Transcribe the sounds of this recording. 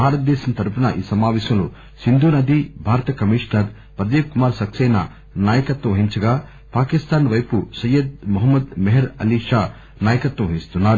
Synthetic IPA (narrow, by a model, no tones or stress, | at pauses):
bʱaːɾɐt̪̚d̪ɛːʃɐnt̪ɐɾupɐnɐʔḭːsɐmaːʋɛːʃɐmlo | sind̪ʱuːnɐd̪ʱibʱaːɾɐt̪ɐkɐmiːʂnɐɾ | pɾɐd̪eːkkumaːɾsɐksɛːnɐ̰ | naːjɐkɐt̪ʋɐʋɐɦiɲt͡ʃɐɡaː | paːkist̪aːnʋɐjpusɐjɐd̪̚muɦɐmːɐd̪meɦɐɾɐ̰liʂaː | naːjɐkɐt̪ʋɐʋɐɦist̪unːaːɾu